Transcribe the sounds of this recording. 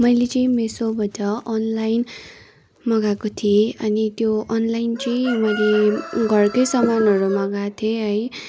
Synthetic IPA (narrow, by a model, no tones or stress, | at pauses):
mʌjlet͡saĩmesobʱʌtʌʌnlajn | mʌɡakot̪ʰieʌnit̪joʌnlajnt͡saĩmʌjleɡʱʌrkʌjsʌmanʌɾumʌɡat̪ʰieɦʌj